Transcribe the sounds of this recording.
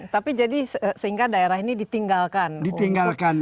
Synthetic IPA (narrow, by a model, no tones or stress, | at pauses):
t̪apid͡ʒadissəɦiŋɡadaeɾaɦinidit̪iŋɡalkandit̪iŋɡalkan